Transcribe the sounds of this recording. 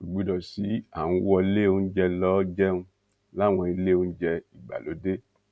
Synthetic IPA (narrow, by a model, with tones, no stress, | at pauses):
u˨ɡ͡bi˨˧dɔ˨si˨˦a˨ũ˧˦wɔ˧˦le˦˨ũ˧˦d͡ʒɛ˧lɔ˦d͡ʒɛ˦nũ˧˦ | la˦w̃ɔ̃˧i˧le˦˨˧ũ˧˦d͡ʒɛ˧i˨ɡ͡ba̰˨lo˨˦de˦